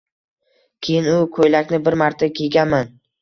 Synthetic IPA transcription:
kʲʰe̞jɪnʊkʰojlakʲnɪbɪɾmaɾt̪ʰakʲʰe̞ɡʲanman

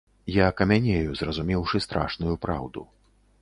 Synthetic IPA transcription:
jakɐmʲanʲejuzrɐzumʲɛwʂɨst̪ɾa̰ʂnujupɾa̰wd̪ṵ

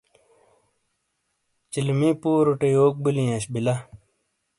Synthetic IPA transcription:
t͡ɕilmipuːɾuʈejoːk̚bilĩãɕbila

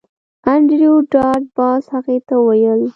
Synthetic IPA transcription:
aɳɖɾijoɖɑɾʈ̚bɑshaɣet̪awajəl

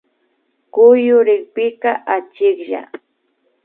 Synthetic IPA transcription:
kʊjʊɾɪχpɪqɑʔat͡ʃɪkʎa̰

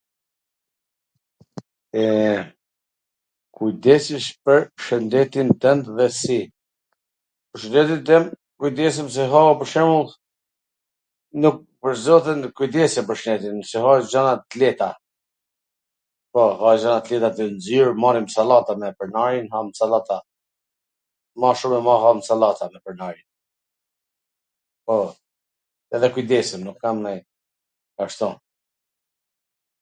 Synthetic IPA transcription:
ɛ | kʰujd̪ɛsiʃpəɾʃənd̪ɛt̪int̪ɛnt̪ðɛsi | pəʃənɛt̪it̪ɛm | kujd̪ɛs̬əms̬ɛɦapəɾʃɛmulˠ | nuk̚pəɾzɔθɛnkujd̪ɛsɛpəɾʃnɛt̪insiɦad͡ʒanat̪lɛt̪a | pɔhad͡ʒanat̪lɛt̪at̪ənziɾmanimsalat̪amɛpəɾnaɾinhamsalat̪a | maʃumɛmaɦamsalat̪amɛpəɾnaɾin | pɔ | ɛðɛkujd̪ɛsəmnukːamnaj | aʃt̪ɔ

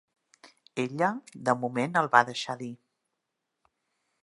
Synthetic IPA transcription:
eʎəd̪əmumenəlˠβaðəʃaði

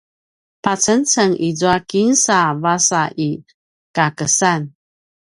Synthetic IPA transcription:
pat͡sənt͡səŋid͡zuakinsavasaʔi | kakəsan

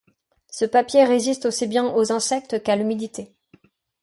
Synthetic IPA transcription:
səpapjeʁezist̪osibjɛ̃ʔozɛ̃sɛk̚t̪kalymid̪it̪e

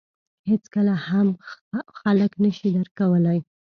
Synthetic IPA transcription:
het͡skəlahamxaləknəʃid̪əɾkawəlaj

